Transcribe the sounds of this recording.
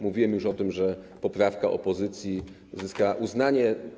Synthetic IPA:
muvʲiwɛmjuʂɔt̪ɘmʐɛpɔpɾafkaʔɔ̰pɔzɘt̪sʲji | uzɘskawaʔuznaɲɛ

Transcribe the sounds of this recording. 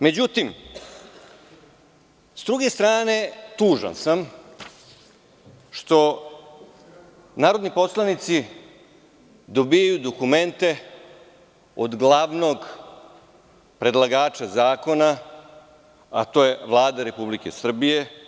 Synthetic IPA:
me̞d͡ʑut̪im | sd̪ɾuɡe̞st̪ɾaːne̞t̪uːʒa̰nsam | ʃt̪o̞ | naːɾo̞d̪nipo̞slˠanit̪si | d̪o̞bijajud̪okume̞nt̪e̞ | od̪ɡlaʋno̞ɡ | pɾe̞d̪lˠaɡaːt͡ʃazaːko̞na | a̰t̪o̞je̞ʋlˠaːd̪aɾe̞publike̞sr̩bije̞

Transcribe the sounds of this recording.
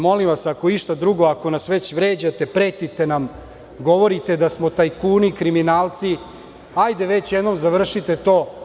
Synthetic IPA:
mo̞limʋasakoiʃt̪ad̪ɾuɡo̞ako̞nasʋe̞t͡ɕʋɾeːd͡ʑat̪e̞pɾeːt̪it̪e̞nam | ɡo̞ʋo̞ɾit̪e̞d̪asmo̞t̪ajkuːnikɾiminaːlˠt̪si | ajd̪e̞ʋe̞t͡ɕjed̪nomzaʋr̩ʃit̪e̞t̪o̞ː

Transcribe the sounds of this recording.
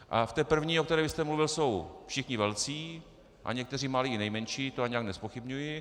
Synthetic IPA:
ʔa̰ft̪ɛːpr̩vɲiːʔokt̪ɛɾɛːvɪst̪ɛmluvɪlso̞wfʃɪxɲɪvɛlt͡siː | ʔa̰ɲɛk̚t̪ɛr̝iːmaliːɪnɛjmɛnʃiːt̪oaɲɛjaknɛspo̞xɪbɲujɪ

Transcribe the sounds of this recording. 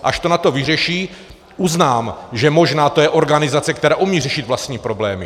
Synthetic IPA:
ʔaʃt̪o̞nat̪o̞vɪrɛʃiː | ʔuznaːmʒɛmo̞ʒnaːt̪ojɛʔo̞ɾɡanɪzat͡sɛk̚t̪ɛɾaːʔumiːrɛʃɪt̪vlast̪ɲiːpɾo̞blɛːmɪ

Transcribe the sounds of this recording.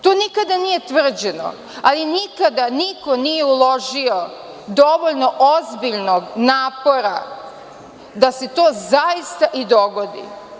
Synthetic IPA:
t̪oːnikad̪anijet̪ʋr̩d͡ʑeno̰ | alinikad̪aniko̞nije̞ulˠo̞ʒio | d̪o̞ʋo̞ʎno̞ʔozbiʎnoɡnaːpo̞ɾa̰ | d̪aset̪o̞ːzaist̪aʔid̪o̞ɡo̞d̪ḭ

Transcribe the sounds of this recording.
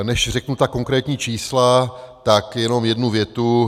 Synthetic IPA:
nɛʃr̝ɛknut̪ako̞ŋkɾɛːt̪ɲiːt͡ʃiːslat̪akjɛno̞mjɛdnuvjɛt̪u

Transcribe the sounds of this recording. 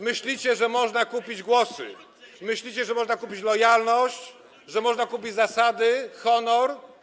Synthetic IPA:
mɘɕlʲit͡ɕɛʐɛmɔʐnakupʲid͡ʑɡwɔsɘ̰ | mɘɕlʲit͡ɕɛʐɛmɔʐnakupʲit͡ɕlɔjalnɔɕt͡ɕ | ʐɛmɔʐnakup̬ʲid͡ʑzasad̪ɘxɔnɔɾ

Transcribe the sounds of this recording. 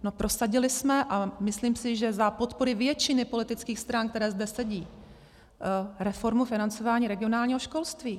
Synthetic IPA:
no̞pɾʔo̞saɟɪlɪsmɛʔamɪsliːmsɪʒɛzapo̞t̪po̞ɾɪvjɛt͡ʃɪnɪpo̞lɪt̪ɪt͡skiːxst̪ɾank̚t̪ɛɾɛːzdɛsɛɟiː | ɾɛfo̞ɾmufɪnant͡so̞vaːɲiːɾɛɡɪo̞naːlɲiːɦoʃko̞lst̪viː

